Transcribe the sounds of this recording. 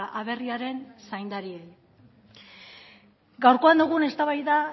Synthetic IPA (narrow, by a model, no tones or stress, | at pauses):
ʔaβ̞e̞riaɾe̞nsajnd̪aɾie | ɡawɾko̞and̪uɣ̞une̞st̪aβajða